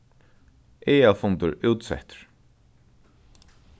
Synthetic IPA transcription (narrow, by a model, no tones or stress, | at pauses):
eːafʊnt̪ʊɹuːt̪sɛ̰ht̪ɹ̥